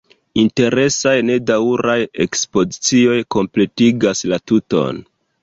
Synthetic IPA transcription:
inte̞ɾe̞sajne̞dawuɾajḛkspo̞zit͡sio̞jko̞mple̞tiɡaslatuto̞̰n

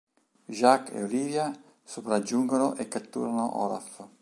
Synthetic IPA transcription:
ʒakːḛoliːvja | sopɾad͡ʒːuŋɡonoʔɛkːat̪ːṵːɾanoʔɔ̰ːla̰f

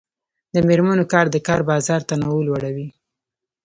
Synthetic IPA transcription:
d̪əmeɾmanokɑɾd̪əkɑɾbɑzɑɾt̪anawulwaɽawi

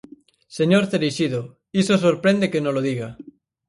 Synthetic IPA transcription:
seɲoɾt̪eɾiʃiðo | isos̬oɾpɾend̪ekenoloðiɣa

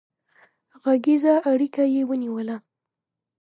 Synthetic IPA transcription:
ɣaɡizaʔaɽikajewəniwəla

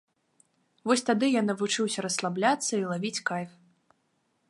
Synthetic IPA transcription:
vɔsʲt̪ad̪ɨjanɐvut͡ʂɨwsʲɐɾɐslˠablʲat̪sːɐilˠavʲit͡sʲkajf

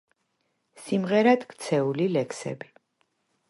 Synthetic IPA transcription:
simʁɛɾad̪kt̪sʰɛulilɛkʰsɛ̰bi

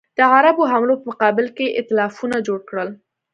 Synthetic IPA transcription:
d̪̥əʕaɾaboɦamlopəmʊqɑbɪlkeʔɪ̰t̪ɪlɑfunad͡ʒoɽkɽəl

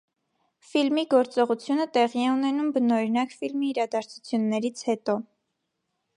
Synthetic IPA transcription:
filmiɡɔɾt͡sɔʁut͡sʰjunət̪ɛʁiɛunɛnumbənɔɾinɑkfilmiːɾɑd̪ɑɾt͡sʰu̥t͡sʰjunːɛɾit͡sʰhɛt̪ɔ

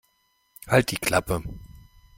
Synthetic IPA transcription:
halt̚d̥iːkʰl̥apə

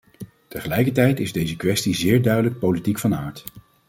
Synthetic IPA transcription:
təχəlɛjkəɹt̬ɛjtɪzdejzəkʋɛstizɪːɹdœɥdələk̚powlitikfɑnaːɹt

